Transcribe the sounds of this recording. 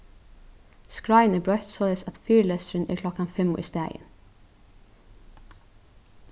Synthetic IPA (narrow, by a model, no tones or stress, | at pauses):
skɹajnɛbɹɔht̪sɔːlɛjsæt̪fiːɹlɛsɾɪnɛ̰ɹkʰlɔkanfɪmʊ̰ḭst̪æːjɪ̰n